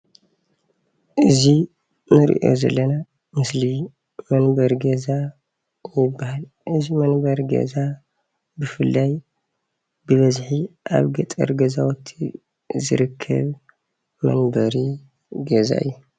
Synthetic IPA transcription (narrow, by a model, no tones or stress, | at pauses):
ʔɨzi | nɨɾḭʔo̞̰zɐ̰lːɐna | mɨsli | mɐnbɐɾɡɐza | jɪbːahal | ʔɨzimɐnbɐɾɡɐ̰za | bɨfɨlːaj | bɨβɐzħiʔa̰βɡɐt̪ʼɐ̰ɾɡɐzawɔt̪ʰi | zɨ̰ɾɨkʰːɐ̰β | mɐ̰nbɐɾi | ɡɐza̰ʔɨ̰jːu